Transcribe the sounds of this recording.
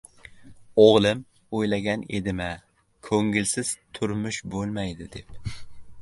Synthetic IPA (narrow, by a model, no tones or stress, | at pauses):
oʁlˠɪm | ojlaɡʲanḛd̪ɪma | kʰɵŋɪlsɪz̥t̪ʰʊɾmʊʃbolˠmajd̪ɪd̪ep̚